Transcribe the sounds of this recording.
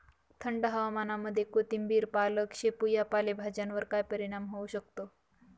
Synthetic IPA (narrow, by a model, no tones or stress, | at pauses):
t̪ʰəɳɖəɦəʋamanaməd̪ʱːjekot̪imbiːɾpaləkɕepujapalebʱad͡ʑjanʋəɾkajpəɾiɽ̃amɦouɕək̚t̪o